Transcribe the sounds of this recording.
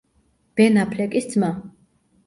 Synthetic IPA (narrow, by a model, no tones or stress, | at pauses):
b̥ɛnapʰlɛkʼisd̪zma